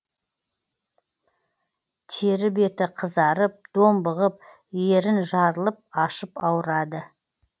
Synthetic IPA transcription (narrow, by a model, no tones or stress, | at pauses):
t̪ʰe̞ɾɪbe̞t̪ɪqʰəzɑɾəp̚d̪̥o̞mbəʁəp̚ | jeɾɪnʒɑɾəlˠəp̚ɑʃəpɑwɾɑd̪ə